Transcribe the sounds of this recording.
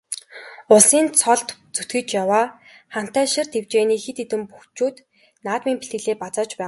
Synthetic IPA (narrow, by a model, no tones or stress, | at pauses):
ʊɮsiːnt͡sʰɔɮt̪t͡sut̪ɡɘ̆t͡ɕjawaː | χam̥t̪æːʃɪ̆rt̪ʰewt͡ɕeːniːxet̪et̪ɘ̆mpuxt͡ɕuːt̪ | naːt̪miːmpi̥ɬt̪ɡɘ̆ɮeːpat͡sɔːt͡ɕpæː